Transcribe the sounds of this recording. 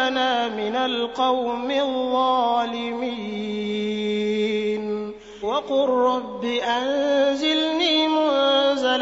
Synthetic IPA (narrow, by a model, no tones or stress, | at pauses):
naːmɪnalqɑwmɪðˤːɑːlɪmiː | n | wɑqʊɾːɑbːɪʔanzɪlniːmʊnzal